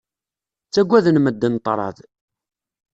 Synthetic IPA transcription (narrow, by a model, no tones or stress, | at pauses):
t͡sːæɡʷæðənməd̪ːənt̪ˤːɾˤɑ̰ð